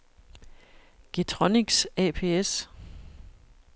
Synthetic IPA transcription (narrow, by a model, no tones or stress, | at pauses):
ɡ̥et͡sʰʁɔniɡ̥sɛpʰe̝̰ːes